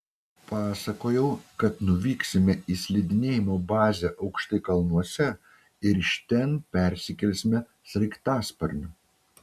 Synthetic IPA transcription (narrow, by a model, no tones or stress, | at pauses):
pɑːsɐkoːjɛʊkɐt̪nʊʋʲiːksʲɪmʲɛʔiːsʲlʲɪd̪ʲɪnʲeːjɪmoːbɑːzʲɛʔɐʊkʃt̪ɐɪkɐlˠnuɔsʲɛ | ɪɾʃʲt̪ʲɛnpʲɛˑɾʲsʲɪkʲɛlʲsʲmʲɛ | sɾʲɐɪkt̪ɑːspɐɾʲnʲʊ